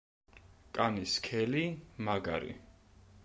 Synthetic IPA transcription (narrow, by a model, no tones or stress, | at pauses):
kʼaniskʰɛlimaɡa̰ɾḭ